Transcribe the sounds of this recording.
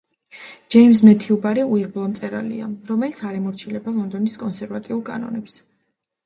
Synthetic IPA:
d͡ʒ̥ɛims̬mɛt̪ʰiubaɾiuiɾblˠɔmt̪sʼɛɾa̰lḭa̰ɾɔmɛlit̪sʰaɾɛmɔɾt͡ʃʰilɛbalˠɔnd̪ɔniskʼɔnsɛɾvat̪ʼiulˠkʼa̰nɔ̰nɛps

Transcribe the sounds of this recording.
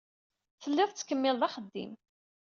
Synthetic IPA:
θəlːɪðˤt͡sːkːəmːɪlðɑχəd̪ːḭm

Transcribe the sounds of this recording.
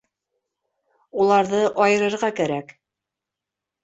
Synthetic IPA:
ulˠɑɾðɤʔɑjɤ̆ɾɤ̆ɾʁɑkæɾæk

